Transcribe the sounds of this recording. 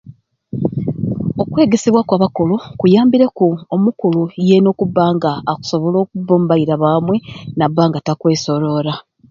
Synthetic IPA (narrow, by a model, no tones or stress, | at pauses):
o̞kwe̞ːɡesiβwakwaːβako̞lo̞kujaːmbiɾekuomukulujeno̞ːkubːaːŋɡaːku̥so̞βo̞lo̞ːkuboːmbaiɾaβaːmwe̞nabːaːŋɡatakwe̞ːso̞ɾo̞ːɾa